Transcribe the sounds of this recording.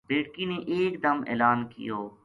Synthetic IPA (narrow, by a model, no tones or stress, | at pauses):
beːʈkineʔeːkd̪ɐmḛːlaːnkɪ̰joː